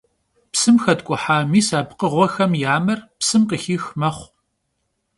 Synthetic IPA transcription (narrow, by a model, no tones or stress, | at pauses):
psɨmxɐtkʷʼʊħaːmiːsaːbqəʁʷɔxɐmjaːmɨrpsɨmqəxiːxmɐχʷ